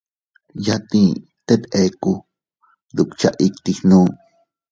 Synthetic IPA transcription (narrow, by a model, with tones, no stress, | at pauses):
ja˦t̪ĩ˧ | t̪e˦t̪ʔe˧ku˧ | d̪u˨kt͡ʃa˧ʔi˧kt̪i˧hnũː˦